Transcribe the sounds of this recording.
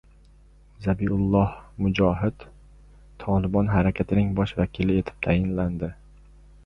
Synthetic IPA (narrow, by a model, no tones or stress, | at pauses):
zabiʊlˠːɒhmʊd͡ʒɒɦɪd̪ | t̪ʰɒlɪbɒnɦaɾakʲʰat̪ʰɪnɪŋbɒʃvakʲʰɪlɪe̞t̪ʰɪ̥p̚t̪ʰajɪnland̪ɪ